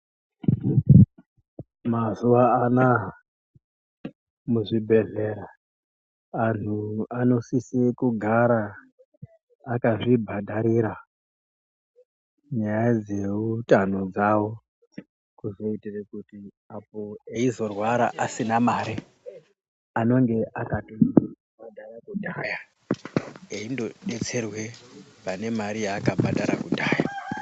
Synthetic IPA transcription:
mazuʋaːna | muʐibʱe̞ɮe̞ɾa | n̤uano̞sisekuɡʱaɾa | kaʐibʱadʱaɾiɾa | ɲajad͡ze̞utanod͡zawo̞ | kuzo̞itirekuti | apo̞eizo̞rwaɾa̰ʔasinamaɾi | ano̞ŋɡe̞ʔakato | madajakudʱaːja | eindo̞ɗe̞t͡se̞rwe̞pane̞maɾijaːkabʱadaɾakudʱaːja

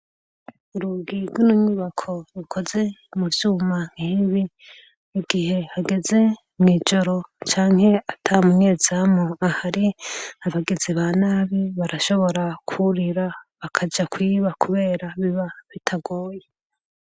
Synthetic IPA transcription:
uɾuɡiɾɡwunuɲuβakʰo̞ɾukʰo̞ze̞muvjuːmaŋ̥hiβi | uɡihe̞haɡe̞ze̞ | mŋiːd͡ʒo̞ɾo̞t͡ʃaːŋ̥he̞atʰamuɲe̞ːz̥amoahaɾiaβaɡeziβaːnaːβiβaɾaʃo̞βo̞ɾakʰuɾiɾaβakʰad͡ʒakwiːβakʰuβe̞ːɾaβiβaβitʰaɡoːje

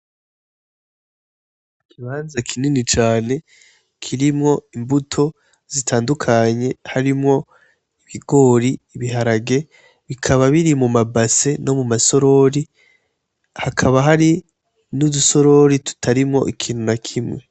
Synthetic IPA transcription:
kʰiβaːnzakʰininit͡ʃaːne̞ | kʰiɾimŋo̞imbutʰo̞ | z̥itʰaːndukʰaɲe̞haɾimŋo̞ | iβiɡo̞ːɾiːβiɦaɾaɡe̞ | βikʰaβaβiɾimumabase̞no̞mumaso̞ɾo̞ɾi | hakʰaβaɦaɾi | nuduso̞ɾo̞ɾitu̥tʰaɾimŋo̞̰ʔikʰiːn̥unakʰimwe̞

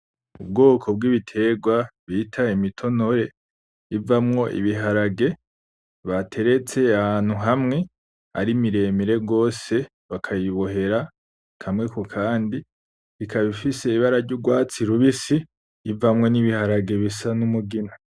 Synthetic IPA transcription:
ub̚ɡo̞ːkʰo̞b̚ɡiβitʰe̞ɡwaβitʰaimitʰo̞no̞ɾe̞ | ivamŋo̞ʔḭβiɦaɾaɡe̞ | βatʰe̞ɾe̞t͡se̞ahaːn̥huɦamŋe̞ | a̰ɾimiɾe̞miɾe̞ɡo̞ːse̞ | βakʰajiβo̞ɦe̞ɾa | kʰamŋe̞kokʰaːndi | ikʰaβifise̞iβaɾaɾɟuɡwaːt͡siɾuβisiː | vamŋo̞niβihaɾaɡe̞βisanumuɡina

